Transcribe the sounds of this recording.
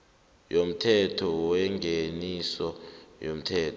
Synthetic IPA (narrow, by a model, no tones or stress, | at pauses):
jom̩tʰɛtʰɔwɛŋɡʱenisɔjom̩tʰɛːtʰɔ